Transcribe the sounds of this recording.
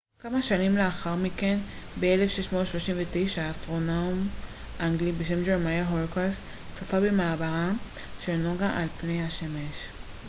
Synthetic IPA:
kamaʃanimleaχaʁmike̞n | beelefʃeʃmotʃloʃimvet̪ejʃaːst̪ʁo̞naum | ʔaŋɡlibeʃ̬e̞md͡ʒeʁmajaɦolkas | t͡sofabemaːbaʁaʃelnoɡaʔalpne̞jhaʃemeʃ

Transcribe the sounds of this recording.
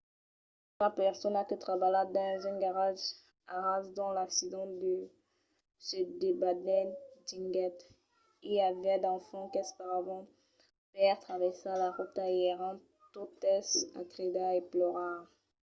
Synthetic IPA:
mapɛʁsɔnakət̪χabalad̪ɛ̃zɛ̃nɡaʁaʒ | aʁasd̪ɑ̃laksid̪ɑ̃d̪ə | ʃed̪ebad̪nɛd̪ĩŋɡɛt̪ | iavɛd̪ɑ̃fɑ̃kɛspaʁavɑ̃ | pɛʁt̪χavɛsalaʁut̪ajɛʁɑ̃ | t̪ot̪ɛsa̰t̪ʁed̪aeplɔʁaʁ

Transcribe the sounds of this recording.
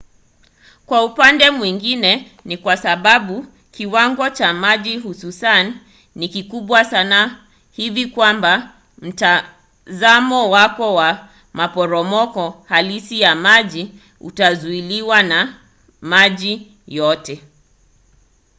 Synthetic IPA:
kwaupandɛmwiŋɡinɛ | nikwasaɓaɓu | kiwaŋɡɔt͡ʃamaʄiɦususanː | ikikuɓwasana | hivikwamba | m̩ta | zamɔwakɔwa | mapɔɾɔmɔkɔhalisijamaʄi | ṵtazuiliwana | maʄi | jɔtɛ

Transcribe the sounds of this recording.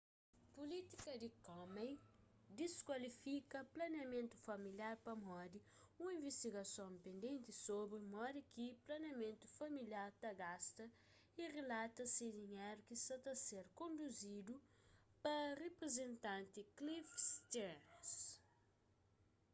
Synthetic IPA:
pulit̪ikɐd̪ikɔmejd̪iskwɐlifikɐplɐnjɐmẽnt̪u̥fɐmiljaɾpɐmɔd̪i | ũĩvest̪iɡɐsõmpẽnd̪ẽnt̪isobɾimɔd̪ikiplɐnjɐmẽnt̪u̥fɐmiljaɾt̪ɐɡast̪ɐ | iʁelat̪ɐsid̪iɲeɾukisɐt̪aseɾkõnd̪uzid̪u | pɐrepɾezẽnt̪ãnt̪iklifst̪ɛɾns

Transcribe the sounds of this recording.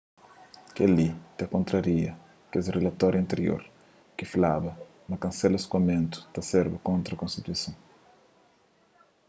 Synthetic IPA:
kelit̪ekõnt̪ɾɐɾiɐ | kesrelɐt̪ɔɾjɐ̃nt̪eɾjo̰ɾ | kɪflabɐ | mɐkɐ̃nsɛlɐskwɐmẽnt̪ʊ̥t̪ɐseɾbɐkõnt̪ɾɐkõnst̪it̪uisɐ̃w̃

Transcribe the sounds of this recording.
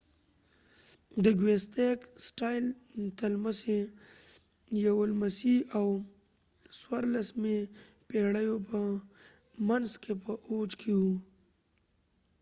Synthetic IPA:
d̪əɡwest̪eksʈajlt̪alməse | jawəlmasiaw | swaɾlasme | peɽəjopə | manzkʰepəʔot͡ʃkʰewu

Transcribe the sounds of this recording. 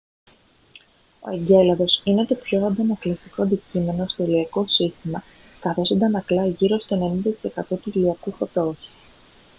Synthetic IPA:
o̞̰eɲɟe̞lɐðo̞sinet̪o̞pço̞ɐnd̪ɐmɐklist̪iko̞ɐnd̪icime̞no̞st̪o̞iliɐko̞sist̪imɐ | k̪ɐɾe̞sond̪ɐnɐklɐʝiɾo̞st̪o̞ene̞nind̪ɐt̪i̥se̞kɐt̪o̞t̪uiliɐkufot̪o̞su̥

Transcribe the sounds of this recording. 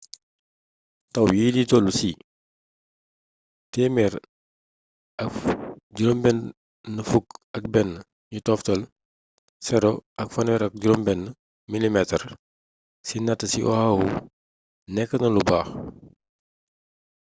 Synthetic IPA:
tɐwjiːlitɔːlusi | tɛːmɛɾ | ʔɐkɟuɾɔmbɛnː | əfukɐk̚bɛnː | ɲutɔːftɐl | sɛɾɔʔɐkfɐnwɛɾɐk̚ɟuɾɔmbɛnː | milimɛtər | sinɐtːəsiʔɔ̰hɐwu | nɛkːənɐlubaːx

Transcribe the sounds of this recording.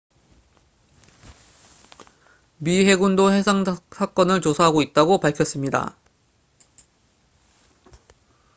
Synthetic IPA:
mihe̞ɡundohe̞sʰaŋsʰak͈ʌnɯɭt͡ɕosʰaɦaɡoit̚t͈aɡopaɭkʰjʌs͈ɯmɲida̰

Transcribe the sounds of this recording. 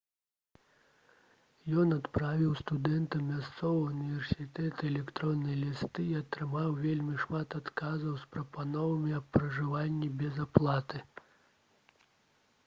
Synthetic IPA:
jɔnat̪pɾavʲiwst̪ud̪ɛnt̪ɐmʲast̪sɔvɐunʲivʲɛrsʲit̪ɛt̪ɨɛlʲɛkt̪ɾɔnːɐjlʲist̪ɨːɐt̪ɾɨmawvʲelʲmʲiʂmat̪at̪kazɐwspɾɐpanɔvɐmʲiɐpːɾɐʐɨvanʲːɛbʲɛzaplˠat̪ɨ

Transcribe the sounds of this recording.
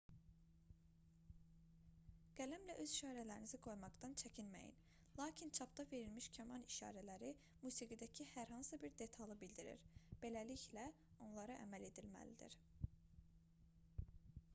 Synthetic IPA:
ɡ̥ælæmlæʔø̞ziʃɑːɾælæɾiniziɡo̞jmɑɡd̪ɑnt͡ʃʰæcʰinmæ̰jḭn | lˠɑːcʰint͡ʃʰɑpd̪ɑve̞ɾilmiʃcʰæmɑniʃɑ̰ːɾælæɾi | muːsiɡid̪æcʰihæɾɦɑnsɯbiɾd̪e̞t̪ʰɑlˠɯbild̪iɾḭɾb̥e̞læliçlæ | o̞nlˠɑɾɑʔæ̰mæle̞d̪ilmæ̰lid̪ḭɾ

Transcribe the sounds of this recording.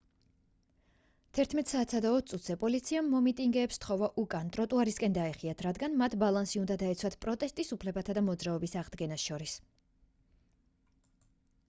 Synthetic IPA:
t̪ʰɛɾt̪ʰmɛt̪ʼsaːt̪ʰsad̪aɔt̪̚ʰtsʼut̪ʰz̥ɛpʼɔlit̪sʰiamːɔmit̪ʼiŋɡɛːpst̪χɔvaʔukʼant̪ʼɾɔt̪ʼuaɾiskʼɛnd̪aɛχiat̪ʰɾad̪ɡanmat̪ʰbalˠansiund̪ad̪aɛt̪sʰwat̪ʰpʼɾɔt̪ʼɛst̪ʼisupʰlɛbat̪ʰad̪amɔd̪zɾaɔbisaʁd̪ɡɛnasʃɔɾis

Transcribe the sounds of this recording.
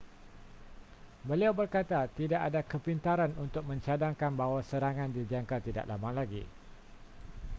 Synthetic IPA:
bəliawbərkat̪at̪idaʔadakəpint̪aɾanunt̪ʊk̚mə̃ɲt͡ʃadaŋkanbaɦwasəɾaŋãndidiaŋkat̪ida̰ʔlamaŋlaɡḭ

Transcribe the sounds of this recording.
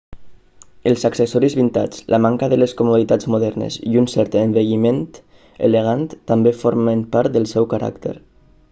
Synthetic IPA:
əlˠzaksesɔɾizβint̪a̰d͡zlʔəmaŋkaðəleskumuðit̪ad͡zmuðɛɾnḛziunsɛɾt̪embeʎiment̪ | ḛleɣ̞ant̪ːambefoɾməmpaɾt̪̚d̪əlˠsɛwkaɾʔa̰kt̪ḛɾ

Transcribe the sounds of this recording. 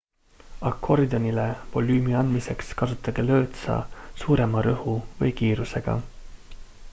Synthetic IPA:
ɑkʰːo̞rd̪onʲilevo̞lyːmiɑnd̪mise̞kskɑsut̪ːˑɑɡ̥elø̞ːt̪sɑ̰suːɾe̞mɑɾɤhuvɤjkiːɾuse̞ɡ̥ɑ̰

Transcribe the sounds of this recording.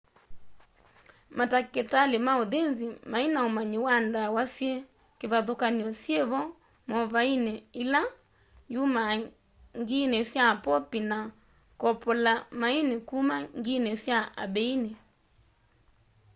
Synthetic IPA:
mataketalemaoðenzimainaomaɲiwandawasje | keβaðokaniɔsjeβɔ | mɔβainɛila | juma | ŋɡinɛsjapɔpina | kɔpɔlamainekumaŋɡinɛsjaa̰bɛine

